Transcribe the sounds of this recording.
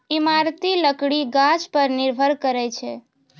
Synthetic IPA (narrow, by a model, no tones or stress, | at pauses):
imaɾt̪iləkɽiɡãd͡ʒpəɾnɪɾbʱəɾkəɾet͡ʃʰe